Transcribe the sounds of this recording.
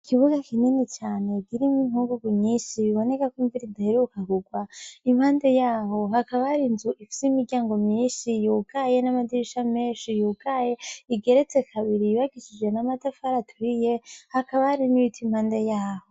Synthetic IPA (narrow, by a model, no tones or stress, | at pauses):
kʰiβuɡakininit͡ʃaːne̞ɡiɾimimuːŋɡuɡumɲiːʃiβiβo̞ne̞kakuɱviɾidahiɾiukaɡuɡwaimhaːnde̞jaːho̞ɦakaβahaɾinzuʔifi̥siimiɾɟaːŋɡo̞mɲiːʃijuɡ̥aje̞namadiiʃame̞ːʃijuːɡaje̞iɡe̞ɾet͡se̞kʰaβiɾiiβaɡiʃid͡ʒe̞namatafaɾatʰuɾije̞hakaβahaɾinijitʰim̥haːnde̞jaːho̞